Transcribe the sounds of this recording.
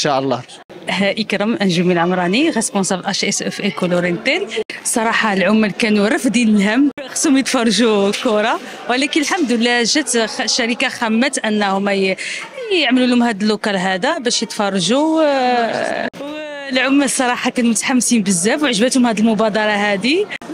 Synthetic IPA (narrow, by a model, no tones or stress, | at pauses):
ʃaʔlˤːɑ | hæʔəkɾəmʔænʒumilʕʊmɾˤɑniɣesponsæblʔæʃʔɛsʔɛfʔekuluɾint̪ænsˤɑɾˤɑħɑlʕʊmːælkænuɾˤəfd̪inəlɦæmːbxshʊmjət̪fɑrˤːʒukʊɾˤɑ | wəlækənəlħamd̪lːæʒæt̪ʃːæɾikaxæmːæt̪ʔænːhʊmːæj | əʕməlulhʊmhæd̪əlːʊkælɦæd̪æbæʃjət̪fɑrˤːɑʒu | w | lʕʊmːæsˤːɑɾˤɑħɑkænumʊt̪ħamːsimbəzːæfwʕʒbæt̪hʊmhæd̪əlmʊbɑd̪ɑɾˤɑɦæd̪i